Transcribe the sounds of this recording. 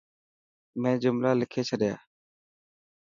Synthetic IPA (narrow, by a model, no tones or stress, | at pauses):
mẽːd͡ʒʊmlaːlɪkʰeːt͡ʃʰəɗɪja̰ː